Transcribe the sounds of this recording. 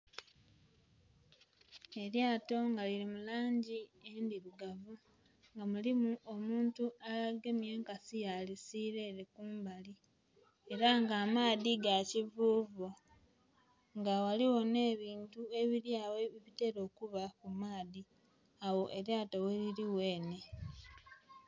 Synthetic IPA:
e̞ɾjaːto̞ŋɡaliɾimulaːɲɟiendiɾuɡavu | ŋɡamulimuʔo̞muːntualaɡe̞mje̞ːŋkasijalisiɾe̞ːɾekuːmbali | e̞ɾaŋɡaːmaːðiɡacivuːvu | ŋɡawaliwo̞ne̞ːβiːntue̞βiɾjaːwe̞iβite̞ɾo̞ːkuβakumaːði | awo̞ʔe̞ɾjaːto̞weliɾiwe̞ːne̞

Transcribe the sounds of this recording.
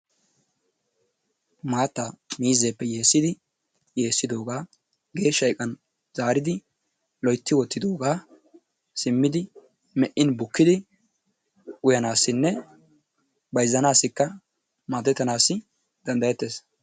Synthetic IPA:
maːt̪ːamiːzeːpːɛje̞ːsːɪd̪ɪ | je̞ːsːɪd̪o̞ːɡaː | ɡe̞ːʃːɐjkʼɐn | z̥aːɾɪd̪ɪ | lɔjt̪ːɪwɔt̪ːɪd̪oːɡaː | sɪmːɪd̪ɪ | mɛʔːɪnbʊkːɪd̪ɪ | ʊjɐnaːsːɪnːɛ | bɐjzːɐnaːsːɪkːɐ | maːt̪ɛt̪ːɐnaːsːɪ | d̪̥ɐnd̪ɐjɛt̪ːe̞ːs

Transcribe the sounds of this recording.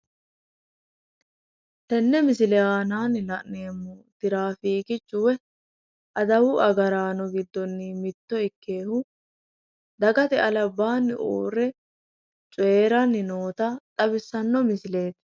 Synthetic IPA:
t̪ɛnːɛmɪsɪlɛjaːnaːnɪlɐʔneːmːɔt̪ɪɾaːfiːkɪt͡ʃʼːʊwɛ | ʔɐd̪ɐwʊʔɐɡɐɾaːnɔɡɪd̪ːɔnːɪmɪt̪ːɔɪkːe̞ːhʊ | d̪ɐɡɐt̪ɛɐlɐbːaːnːɪ̰ʔo̰ːrːɛ | t͡ʃʼʊeːɾɐnːɪnoːt̪ɐt̪ʼɐbɪsːɐnːɔmɪsɪle̞ːt̪

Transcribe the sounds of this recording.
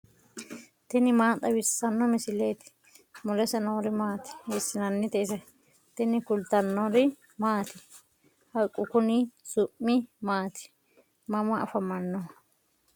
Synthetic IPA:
t̪ɪnɪmaːt̪ʼɐwɪsːɐnːɔmɪsɪleːt̪ɪ̥ | mɔlɛsɐnoːɾɪmaːt̪ɪ̥heːsːɪnɐnːɪt̪ɛɪsɛ | t̪ɪnɪkʊlt̪ɐnːɔɾɪ | maːt̪ɪ | hɐjkʼːʊkʊnɪsʊʔːɪmaːt̪ɪ̥ | mɐmɐɐ̰fɐmɐnːɔ

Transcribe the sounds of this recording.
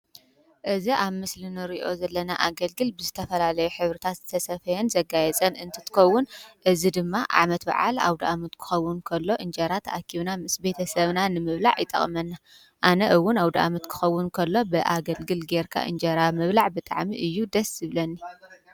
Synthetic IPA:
ʔɨziʔaβmɨslinɨɾiʔo̞zɐlːɐnaʔaɡɐlɡɨlbɨzɨt̪ʰɐfɐlalɐjuħɨβɾit̪ʰat̪t̪ʰɐsɐfɐjɛnzɐɡajɛt͡sʼɐnɨnt̪ʰɨ̥t̪ʰɨ̥kɐwːʊnʔɨzid̪ɨmːaʔa̰ʕmɐt̪ba̰ʕa̰la̰wd̪ɐʔamɐt̪kʰɨ̥xɐwːʊnkʰɐlːo̞ʔɨnd͡ʒɐɾat̪ʰa̰kʰiβnamɨsbe̞t̪ʰɐsɐβnanɨmɨβlaʕjɪt̪ʼɐ̰χʼmɐnːa | ʔanɐʔɨwːʊnawd̪ɐʔa̰mɐt̪kʰɨ̥xɐwːʊnkʰɐlːo̞bɨʔaɡɐlɡɨlɡeɾkʰa̰ʔɨ̰nd͡ʒɐɾamɨβlaʕbɨt̪ʼa̰ʕmiʔɨjːud̪ɐsjɨβlɐnːi

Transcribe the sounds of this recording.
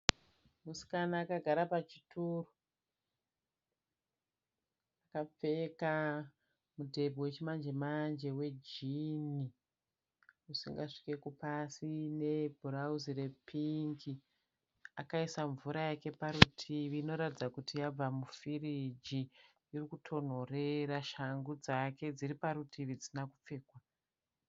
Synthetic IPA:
musi̥kanaːkaɡʱaɾapat͡ʃituro | akap͡fe̞ka | mudʱe̞bʱowe̞t͡ʃimand͡ʒemand͡ʒe̞we̞d͡ʒini | usḭŋɡaʂi̥ke̞kupasine̞bʱuɾauzire̞pʰiŋɡi | akaisaɱvuɾajake̞paɾutʰiʋiːno̞ɾatid͡zakutijab͡vamufirid͡ʒi | jirikutʰo̞n̤o̞re̞raʃaŋɡud͡zake̞d͡ziripaɾutʰiʋid͡zinakup͡fe̞ːkwa

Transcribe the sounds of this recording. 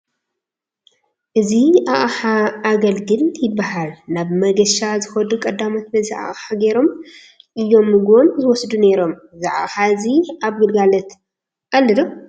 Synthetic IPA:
ʔɨziʔaʔħaːɡɐlɡɨljɪbːahalnaβmɐɡɐʃazɨxɐd̪ukʼɐd̪amot̪bɐziʔa̰ʔħaɡe̞ɾo̞m | ʔɨjːo̞mːɨɡonzɨwɔsd̪une̞ɾo̞m | zaʔa̰xaɨziaβɡɨlɡalɐt̪ | ʔalːɨd̪om

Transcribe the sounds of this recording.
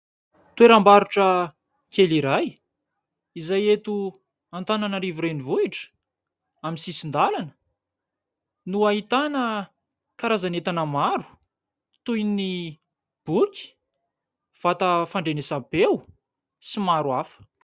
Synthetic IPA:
t̪ueɾambaɾuʈ͡ʂə | keliɾaj | izajet̪u | ant̪ananəɾivuɾenivuiʈ͡ʂə̥ | amisisind̪alanə̥ | nuaɦit̪anə | kaɾazanet̪anəmaɾu̥ | t̪ujni | b̥ukʲi̥ | v̥at̪əfaɳɖ͡ʐenesapew | simaɾuafə̥

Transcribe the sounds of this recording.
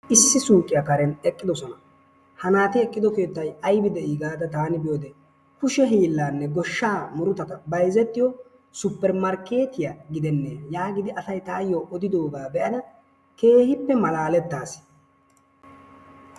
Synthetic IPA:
ʔɪsːɪsuːkʼːɪjɐkɐɾɛnɛkʼːɪd̪ɔsɔnɐ | hɐnaːt̪ɪɛkʼːɪd̪ɔke̞ːt̪ːɐjɐjbɪd̪ɛʔiːɡaːd̪ɐt̪aːnɪbɪjoːd̪ɛ | kʊʃɛɦiːlːaːnːɛɡɔʃːaːmʊɾʊt̪ɐt̪ɐbɐjzɛt̪ːɪjɔ | sʊpːɛɾmɐɾkːe̞ːt̪ɪjaɡɪd̪ɛnːeːjaːɡɪd̪ɪɐsɐjt̪aːjːoʔɔd̪ɪd̪o̞ːɡaːbɛʔɐnɐ | ke̞ːhɪpːɛmɐlaːlɛt̪ːaːs

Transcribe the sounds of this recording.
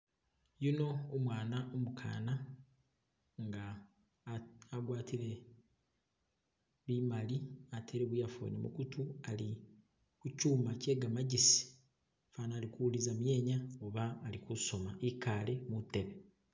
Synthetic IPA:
juno̞ːmwaːnaʔomukʰa̰ːna | ŋɡa | ɡwaːtiɾe̞ | βimaliatʰe̞ɾeβijafo̰nḛmṵkutuali | kucuːmace̞ːɡamaɟisi̥ | faːnaːlikuwulizamje̞ːɲaoβaːlikuso̞maʔikaːle̞muteβe

